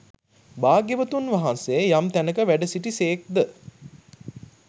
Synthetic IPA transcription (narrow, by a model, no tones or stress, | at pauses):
baːɡjəʋət̪unʋaɦanseːjamt̪ænəkəʋæɖəsiʈiseːk̚d̪ə